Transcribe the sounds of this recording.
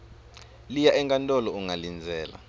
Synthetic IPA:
lijaʔɛŋkʼantʼɔlɔuŋalind͡zʱɛːla̰

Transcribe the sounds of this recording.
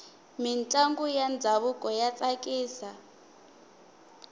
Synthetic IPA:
mint͡ɬʼaŋɡujand͡zʱaβukʼɔjat͡sʼakʼiːsa

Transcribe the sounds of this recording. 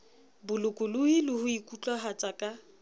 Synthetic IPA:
bʊlʊkʼʊlʊilʊhʊikʼut͡ɬʼaɦat͡sʼakʼa

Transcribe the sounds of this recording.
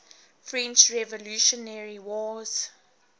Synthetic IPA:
fɹɛ̃nt͡ʃɹɛvɔluʃɔnɛɹiwɔz̥

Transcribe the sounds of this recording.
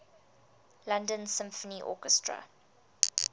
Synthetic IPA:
lãndə̃nsɪ̃mfəniʔɔ̰kɛstʰɹə̰

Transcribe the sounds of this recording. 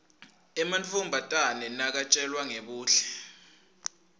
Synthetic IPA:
ɛmant͡fʰʼumbʱatʼanɛnak̬at͡ʃʼɛlwaŋeɓuːɬɛ̥

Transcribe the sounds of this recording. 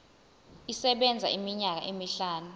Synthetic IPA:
isɛɓɛnd͡zʱa̰ʔimiɲak̬a̰ʔemiɬaːnu

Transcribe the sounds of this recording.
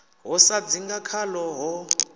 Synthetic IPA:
ɦɔsad͡ziŋɡakʰalɔɦɔ

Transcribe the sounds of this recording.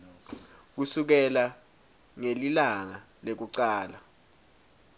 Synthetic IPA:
k̬usuk̬ɛla | ŋelilaŋa | lek̬uǀaːla

